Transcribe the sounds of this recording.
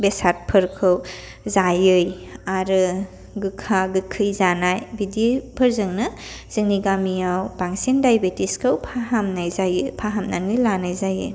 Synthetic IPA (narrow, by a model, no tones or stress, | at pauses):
besat̚pʰɯɾkʰɯw | zajɯjaɾɯ | ɡɯkʰːaɡɯkʰːɯjzanajbidipʰɯɾzɯŋnɯz̥ɯŋniɡamijawbaŋsendajbetiskʰɯwpʰaɦamnajzajɯpʰaɦamnanɯjlanajzajɯ̰j